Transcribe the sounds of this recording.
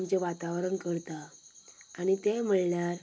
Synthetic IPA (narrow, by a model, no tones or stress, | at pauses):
mt͡ɕeʋat̪aʋɾəɳkəɾt̪aː | ɽ̃it̪em̤əɭɳjaɾ